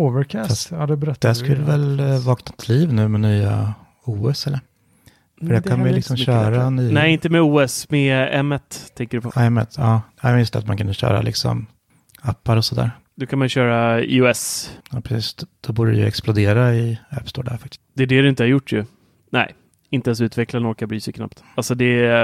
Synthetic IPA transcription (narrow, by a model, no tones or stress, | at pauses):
oːvəɾkʰæːsaad̪ɛbɾɛd̪ɛskɵlːəvɛlvɑːknaɪt̪ʰːliːvnʉ̟ːmɛnyːa̰ | uːɛsɛlːəɾ | fœɖɛkʰanmajəlɪksɔmɕœːɾanyːnɛɪnt̪əmɛuːɛsmɛɛmːɛt̪ʰːɛŋkəɖɵpːɛmːɛ̰t̪ʰːjɑːjɑːjst̪ɛat̪mankʰɵnəɕœ̰ːɾa̰lʔɪ̰ksɔ̰m | apːaɾɔsɔd̪æ̰ːɾ | d̪okʰanmajʏɕœːɾaḭːɛsjɑːpʰɾɛsiːsd̪̥ɔbuːɖəɾɛ̰jə̰ɛksplʊd̪eːɾaɪœːpst̪oːɖæ̰ɾfakt̪ɪ̥st̪d̪̥ɛːɖɛd̪ɵɪnt̪əhaɾjʊʈːjɵ | nɛ̰ɪ | ɪnt̪əɛns̬ʉ̟ːt̪vɛklanɔɾkabɾyːsɛjkʰna̰pt̪ | alsɔd̪ɛ